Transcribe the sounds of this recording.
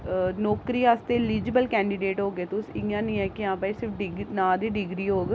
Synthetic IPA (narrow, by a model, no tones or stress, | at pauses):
nɔːkɾiːaːst̪eːliːd͡ʒiːbəlkɛ̃ːɳɖiːɖeːʈɦoːɡeːt̪ʊsɪãːnĩːɛːkɪãːpaːiːsɪɾpʰɖɪɡnãːd̪iːɖɪɡɾiːɦoːɡ